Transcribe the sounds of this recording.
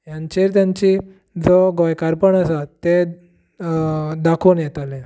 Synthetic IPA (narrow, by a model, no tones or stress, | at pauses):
jãɲt͡ɕeɾt̪jãɲt͡ɕi | d͡zoɡojkaɾpəɳəsat̪ːe | d̪akʰuːnjɛt̪alẽ